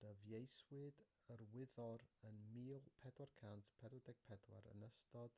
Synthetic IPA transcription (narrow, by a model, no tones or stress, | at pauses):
d̥əvjejswɨdərwɪðɔɾənmiːlˠpʰɛdwarkʰantʰpʰɛɾədɛɡ̥̚pʰɛdwa̰ɾə̰nəstɔd̥